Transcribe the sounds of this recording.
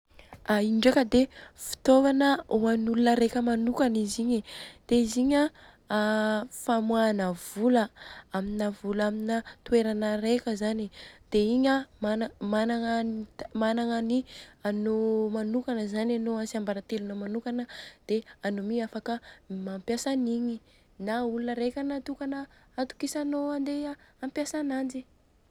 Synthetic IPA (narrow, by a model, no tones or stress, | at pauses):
aiɳɖ͡ʐakəd̪efi̥t̪ovanəuanulunəɾekʲəmanukaniziɲid̪̥eiziɲa | famwanəvuləaminavulaminət̪ueɾanəɾekʲəzanid̪̥eiɲamanmanaŋanmanaŋanianomanukanəzananoasiambaɾat̪elunəmanukanəd̪̥eanomiafakəmampjasaniɲi | naulunəɾekʲanat̪ukanəːt̪u̥kisanoand̪eampjasanand͡ʒi